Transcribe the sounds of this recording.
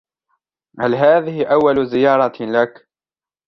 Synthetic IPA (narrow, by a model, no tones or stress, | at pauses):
halɦaːðɪhɪʔawːalzɪjɑːɾˤɑlak